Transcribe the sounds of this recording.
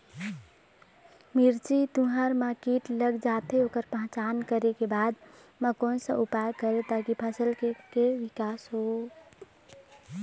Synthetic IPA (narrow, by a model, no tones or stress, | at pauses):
miɾt͡ʃit̪ũɦəɾmakiʈləɡd͡ʒat̪ʰeokəɾpəɦt͡ʃankəɾekebad̪ | məkonsə̰̃ʔupakəɾet̪akipʰəsəlkekeʋikasɦo